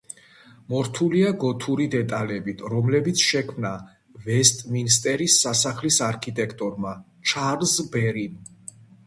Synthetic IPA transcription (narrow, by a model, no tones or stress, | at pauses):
mɔɾt̪ʰuliaɡɔt̪ʰuɾid̪ɛt̪ʼalɛbit̪ʰɾɔmlɛbit̪sʰʃɛkʰmna | vɛst̪ʼminst̪ʼɛɾisːasaχlisaɾkʰit̪ʼɛkʰt̪ʼɔɾma | t͡ʃʰaɾlzbɛɾin